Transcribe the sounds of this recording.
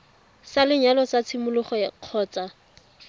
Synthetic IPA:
salɪɲalɔt͡sat͡sʰɪmʊlʊχɔjaq͡χʰɔːt͡sa

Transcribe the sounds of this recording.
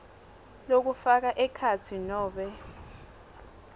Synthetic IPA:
lok̬ufak̬aʔɛkʰat͡sʰinɔːɓɛ

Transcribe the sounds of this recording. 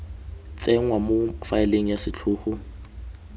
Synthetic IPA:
t͡sʼɛŋ̩wamʊfaɪleŋ̩jasɪt͡ɬʰʊːχʊ

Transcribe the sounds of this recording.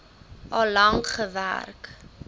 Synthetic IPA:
ʔɐlɐŋχəvæ̰rk

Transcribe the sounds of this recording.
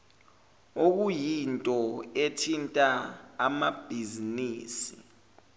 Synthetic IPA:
ok̬ujintʼɔetʰintʼaːmab̥ʱiziniːsi

